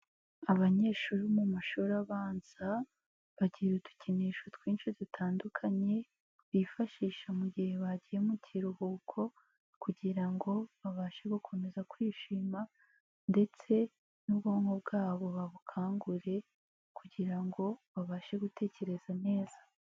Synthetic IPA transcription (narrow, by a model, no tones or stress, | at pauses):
aβaɲe̞ːʃuɾumumaʃuɾaβaːnz̥a | βaɟiutu̥ciniʃotkwiːnʃuzitʰaːndukʰaɲe̞ | βifaʃiːʃamuɟihe̞βaɟije̞muciɾuhuːkʰo̞ | kuɟiɾaŋɡo̞βaβaʃeɡokʰo̞me̞zakwiːʃiːma | nde̞t͡se̞ | nubɡoːŋhobɡaːβo̞βaβukʰaːŋɡuɾe̞ | kʰuɟiɾaŋɡo̞βaβaʃe̞ɡute̞ːce̞ɾe̞z̥ane̞ːz̥ḁ